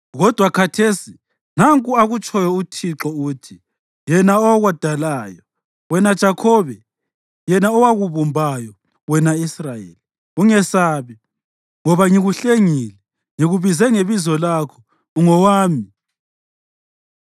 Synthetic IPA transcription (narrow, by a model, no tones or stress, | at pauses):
ɣɔd̥ʱwakʰatʰeːsi | naŋkʼuaɣut͡ʃʼɔjɔutʰiǁɔuːtʰi | jɛnaɔwaɣwad̥ʱalaːjɔ | wɛnad̥ʒ̥ʱakʰɔːβɛ | jɛnaɔwaɣuβumbʱajɔ | wɛnaisrajḛli | uŋɛsaːβi | ŋɔβaŋiɣuɬeŋiːlɛ | ŋiɣuβizɛŋeβizɔlaːkʰɔ̥ | uŋɔwaːmi